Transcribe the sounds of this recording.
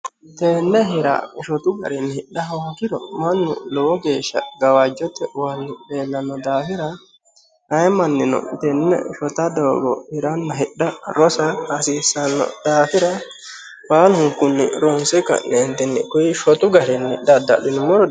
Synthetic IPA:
t̪eːnːɛɦɪɾɐ̰ʃɔt̪ʊɡɐ̰ɾɛnːhɪɗɐɦɐwakɪɾɔ̰mɐnːʊ̰lɔwɔɡeːʃːɐ̰ɡɐwad͡ʒɔt̪ːɛwanːɪbe̞ːlːɐnːɔd̪aːfɪɾɐ | ɐjmɐnːɪnɔ̰t̪ɛnːɛ̰ʃɔt̪ɐd̪oːɡɔ̰hɪɾɐnːɐɦɪɗːɐɾɔsɐhɐsiːsːɐnːɔ̰d̪̥aːfɪɾɐ | baːlhʊŋkʊnːɪɾɔnsɛkːɐ̰neːnt̪ɛnːɪkʊjɪʃɔt̪ʊɡɐɾɛnːɪɗɐd̪ɐ̰ɗɪnɪmɔɾɔ

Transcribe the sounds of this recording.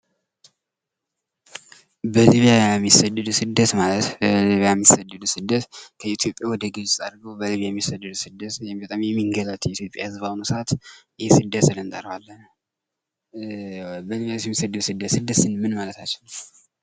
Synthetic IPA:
bəliβijajɛjɛmːisəd̪ːɨd̪usɨd̪ːət̪malət̪əliβijajɛmːisəd̪ːɨd̪usɨd̪ːət̪kʰəit̪ʰjo̞pʼjawɔd̪əɡɨzt̪ʼaɾɡowbəliβijajɛmːisəd̪ːɨd̪usɨd̪ːət̪jɛmbt̪ʼamjɛmːiŋɡələt̪jɛit̪jo̞pʼjahɨzβawnusat̪ɨjesɨd̪ːət̪sɨlənt̪ʼə̰ɾbalːən | bəliβjajsjɛmːisəd̪ːɨd̪usɨd̪ːət̪sɨd̪ːəsɨnmɨnmalət̪ʰat͡ʃːɪn

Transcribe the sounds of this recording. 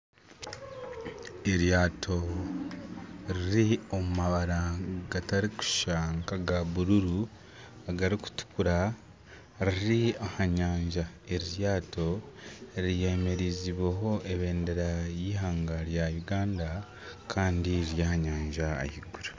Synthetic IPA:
eɾjaːtʰo̞ | ɾiɾio̞mumaβaɾaɡataɾiku̥ʃaːŋkaɡaβuɾuɾu | aɡaɾiku̥tu̥kuɾa | ɾiɾiahaɲaːɲʒa | eɾiɾjaːto̞ | ɾije̞me̞ɾiziβweɦo̞ʔeβe̞ːnde̞ɾajiːɦaːŋɡaɾjajuɡaːnda | kʰaːndiɾjahaɲaːɲʒa̰ːhiɡuɾu

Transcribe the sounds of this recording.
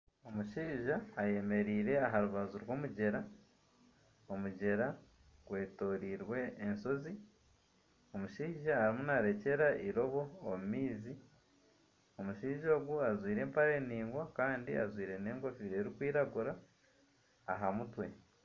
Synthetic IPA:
o̞muʃiːʒaːje̞me̞ɾiːɾe̞aɦaɾuβazuɾwo̞ːmuɟe̞ɾa | o̞muɟe̞ɾa | ɡ̥we̞ːto̞ːɾiːɾwe̞ːnso̞zi | o̞muʃiːʒaːɾimunaɾe̞ce̞ɾaʔiɾo̞βo̞ːmumiːzi | o̞muʃiːʒo̞ːɡuazwiːɾe̞ːmpaɾe̞ːniːŋɡwakaːndia̰zwiːɾe̞ne̞ːŋɡo̞fiɾe̞ːɾikwiːɾaɡuɾa | ɦamutwe̞

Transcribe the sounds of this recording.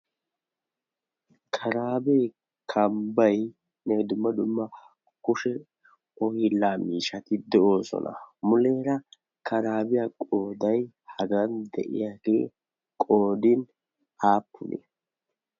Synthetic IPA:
kʰɐɾaːbe | kʰɐmbɐj | nɛd̪ʊmːɐd̪ʊmːɐ | kʊʃɛ | ɔhɪlːaːmiːʃɐt̪ɪd̪ɛʔo̞ːsɔ̰nʔɐ̰mʊleːɾɐ | kʰɐɾaːbɪjakʼoːd̪ɐj | hɐɡɐnd̪ɛ̰ʔɪ̰jaːɡḛː | kʼoːd̪ɪn | aːpːʊ̰nḛ

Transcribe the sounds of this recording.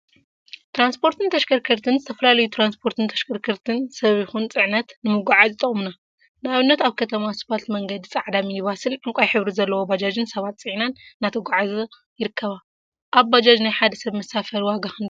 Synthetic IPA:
t̪ʰɾanspʰo̞ɾt̪ʰɨnt̪ʰɐʃkʰɐɾkʰɐɾt̪ʰɨnzɨt̪ʰɐfɐlalɐjut̪ʰɾanspʰo̞ɾt̪ʰɨnt̪ʰɐ̥ʃkʰɐɾkʰɐɾt̪ʰɨnsɐβjixunt͡sʼɨʕnɐt̪nɨmɨɡʷaʕazt̪ʼɐχʼmna | naβɨnːɐt̪aβkʰɐt̪ʰɐmasbat̪mɐŋɡɐd̪it͡sʼaʕd̪amijɪβasɨlʕɨŋkʷʼajħɨβɾizɐlːɐwobad͡ʒad͡ʒɨnsɐβat̪t͡sʼɨʕnanːat̪ʰɐɡʷaʕaz | jɪɾɨkʰːɐβa | ʔaβbad͡ʒad͡ʒnajħad̪ɐsɐβmɐsafɐɾwaɡaxɨn

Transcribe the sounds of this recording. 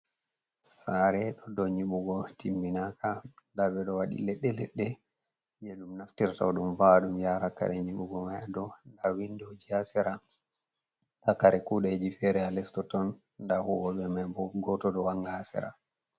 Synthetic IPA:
saɾɛɗɔdɔɲiɓuɡɔtimːinakandabɛɗɔwaɗḭlɛɗːɛlɛ̰ɗːɛ | jeɗumnaftiɾta̰wɗumvaɗumjaːɾaka̰ɾɛɲiɓuɡɔmajadɔndawindod͡ʒiasɛɾa | takaɾɛkuɗɛd͡ʒifɛɾɛalɛstɔtɔn | ndahuwɔɓɛmabɔɡɔtɔdɔwaŋɡaasɛ̰ɾa̰

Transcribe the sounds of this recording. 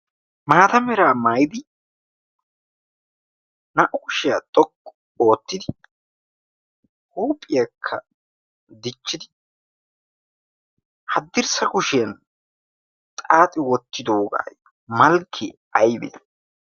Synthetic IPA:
maːt̪ɐmɛɾaːmaːjɪd̪ɪ | nɐʔʊkʊʃɪjɐt̪ʼɔkʼːɔ̥ | o̞ːt̪ːɪd̪ɪ | huːpʼːɪjɐkʰːɐ | d̪ɪt͡ʃːɪd̪ɪ | hɐd̪ːɪɾsɐkʊʃɪjɐn | t̪ʼaːt̪ʼɪwɔt̪ːɪd̪oːɡa̰ːj | mɐlkʰːɪ | ɐjbḛː

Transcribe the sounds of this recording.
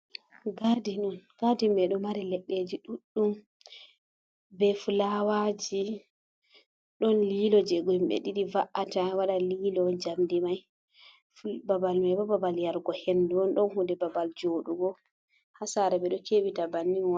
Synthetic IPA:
ɡadinunɡ̥adimbɛɗɔmaɾilɛɗːed͡ʒiɗuɗːum | bɛfulawad͡ʒi | ɗɔnlilɔd͡ʒɛɡɔmɓɛ̰ɗiɗivaʔːatawaɗaliːlɔd͡ʒamdimaj | fbabalmajbɔbabaljaɾɡɔhenduɔnɗɔnhudɛbabald͡ʒoːɗuɡɔ | hasaɾɛbɛɗɔkewitabanːiwa

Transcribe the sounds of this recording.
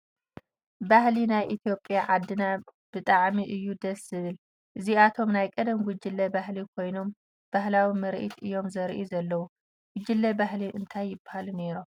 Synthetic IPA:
bahlinajʔit̪ʰijo̞pʼːjaʕad̪ːɨnab̥ɨt̪ʼaʕmiʔɨjːud̪ɐszɨβɨl | ʔɨziat̪ʰo̞mnajkʼɐd̪ɐmɡʊd͡ʒːɪlːɐbahlikʰo̞jno̞m | b̥ahlawimɐɾʔḭt̪ʰɨjo̞mzɐɾʔuzɐlːɐwu | ɡ̥ʊd͡ʒɨlːɐbaɦliʔɨnt̪ʰajːɪbahaluneɾom

